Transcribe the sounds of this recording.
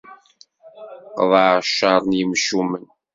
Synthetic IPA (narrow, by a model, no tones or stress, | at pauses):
qðˤʃɑɾˤnjəmʃumən